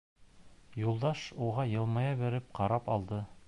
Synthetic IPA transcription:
julˠd̪ɑʃuʁɑjɤ̆lˠmɑjɑbɘ̆ɾɘp̚qɑɾɑpɑlˠd̪ɤ

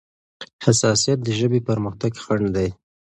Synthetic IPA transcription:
hasɑsijat̪̚d̪əʒəbepəɾməxt̪aɡxaɳd̪aj

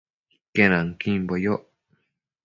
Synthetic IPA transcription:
ikeñãŋkĩmbojoʔ

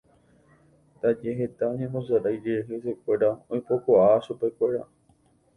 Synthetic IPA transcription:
t̪ad͡ʒeɦe̞t̪aõɲẽnd̪õsaɾajd͡ʒeɦesekʷe̞ɾaõj̃po̞koʔaʃupe̞kʷe̞ɾa̰

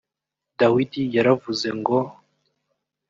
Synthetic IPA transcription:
dawidijaɾavuzeŋɡo

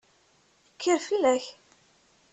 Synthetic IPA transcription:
əkʰːəɾfilæç

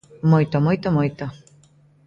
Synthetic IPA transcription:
mɔjt̪ɔmɔjt̪ɔmɔjt̪ɔ

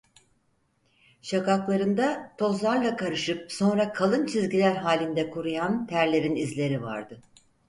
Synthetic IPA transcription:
ʃakaklˠaɾɯnd̪at̪ʰo̞zlˠaɾlˠakʰaɾɯʃɯp̚so̞nɾakʰalˠɯnt͡ʃʰizɟilʲæɾɦaːlʲind̪ɛkʰuɾujant̪ʰæɾlʲe̞ɾinizlʲe̞ɾiva̰ɾd̪ɯ

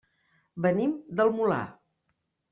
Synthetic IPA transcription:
bənimd̪əlˠmula̰

